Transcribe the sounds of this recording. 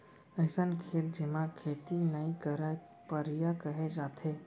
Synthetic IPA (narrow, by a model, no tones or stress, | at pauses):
əɪsənkʰet̪̚d͡ʒemãkʰet̪inaĩkəɾaj | pəɾijakəɦed͡ʒat̪ʰe